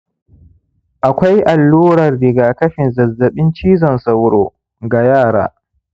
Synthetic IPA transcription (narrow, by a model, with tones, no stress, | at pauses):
ʔa˨kʷa˦jʔa˨lːuː˦ɾɐ˨rːɪ˨ɡaː˨kɐ˦ɸɪ˨nzɐ˨zːɐ˨ɓɪ˦nt͡ʃiː˦zɐ˨nsɐ˨wɾoː˨ | ɡa˨jaː˦˨ɾa̰ː˦